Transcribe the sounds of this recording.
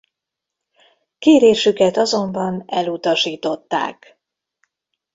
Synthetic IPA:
keːɾeːʃykɛt̪ɒzo̞mbɒnɛlut̪ɒʃiːt̪o̞t̪ːa̰ːk

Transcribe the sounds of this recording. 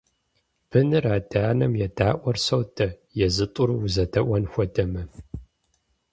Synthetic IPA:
b̥ʰɨnɨraːdaːnɐmjɛdaːʔʷɔrsɐwtʰɐ | jɛzɨtʼʊruzɐtʰɐʔʷɐnxʷɔdɐmɐ

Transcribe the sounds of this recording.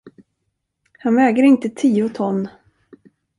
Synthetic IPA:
hanvɛːɡəɾɪnt̪ət̪ʰiːʊt̪ʰɔnː

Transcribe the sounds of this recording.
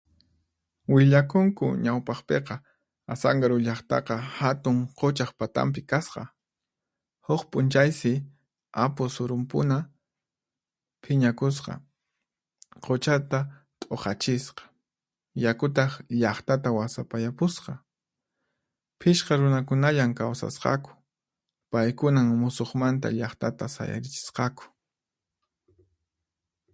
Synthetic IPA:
wɪʎakʊŋkʊ̰ɲawpɑχpeqɑ | asaŋɡaɾʊʎɑχt̪ɑ̰qɑhat̪ʊŋqot͡ʃaχpat̪a̰mp̬ɪkasqɑ̰ | hʊχpʼʊnt͡ʃajsɪ | apʊsʊɾʊmpʊ̰na | pʰɪɲakʊs̬qɑ̰ | qot͡ʃat̪a | t̪ʼoqɑt͡ʃɪsqɑ̥ | jakʊt̪̬ɑχʎɑχt̪at̪awasapajapʊsqɑ | pʰɪʃqɑɾʊnakʊnaʎaŋkawsa̰sqɑ̰kʊ̥ | pajkʊnaŋmʊsoχmant̪̬a̰ʎɑχt̪at̪asa̰ja̰ɾɪt͡ʃɪ̥sqɑkʊ̥

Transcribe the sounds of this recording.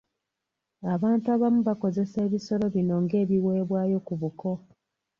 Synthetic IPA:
aβaːntuaβamuβako̞ze̞se̞ːβiso̞ɾo̞βino̞ŋɡe̞ːβiwe̞ːβwaːjo̞kuβuko̞

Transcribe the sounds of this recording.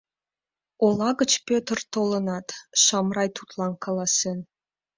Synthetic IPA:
olˠɑɣət͡ɕpʲøt̪ərt̪olə̆nɑt̪ʃɑmrɑjt̪ut̪lɑnkɑlˠɑsen

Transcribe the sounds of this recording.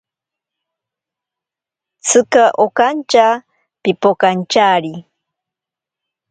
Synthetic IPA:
t͡sʰɨkaʔokant͡ʃa | pipokant͡ʃaɾi

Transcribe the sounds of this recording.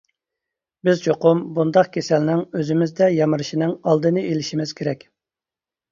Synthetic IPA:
bɪzd͡ʒoqʊmbund̪ɑqkʲʰesɛlnɪŋøzɪmɪzd̪ɛjɑmɨɾɨʃinɪŋɑlˠd̪ɨnɨelɪʃimɪz̥kʲʰeɾɛkʲ

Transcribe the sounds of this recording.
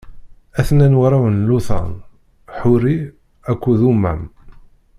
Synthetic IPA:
æθnænwɾˤawənluθɑ̰n | ħʊɾi | ækʷːuðumːæ̰m

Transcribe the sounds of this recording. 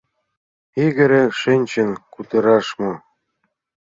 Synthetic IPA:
iɡɘ̆ɾĕʃɘnʲt͡ɕɘnkut̪ɤ̆ɾɑʃmo

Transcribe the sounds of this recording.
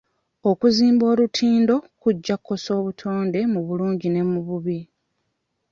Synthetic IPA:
o̞kuziːmbo̞ːlutʰiːndo̞kuɟːakʰːo̞so̞ːβutʰo̞ːnde̞muβuluːɲɟine̞muβuβi

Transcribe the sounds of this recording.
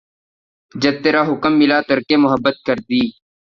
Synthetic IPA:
d͡ʒɐb̚t̪eːɾaːɦʊkəmːɪlaːt̪əɾkeːmʊɦəbːət̪̚kəɾd̪iː

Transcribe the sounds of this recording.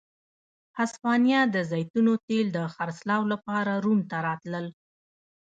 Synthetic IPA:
haspɑnjɑd̪əzɑjt̪unot̪eld̪əxaɾslɑwlapɑɾaɾumt̪aɾɑt̪ləl

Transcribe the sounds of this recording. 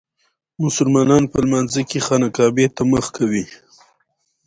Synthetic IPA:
mʊsʊlmɑnɑnpəlmanzəkexɑnakɑbet̪aməxkʰawi

